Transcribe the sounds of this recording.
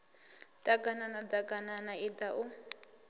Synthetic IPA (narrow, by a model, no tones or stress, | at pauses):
takʼananatakananaitaʔu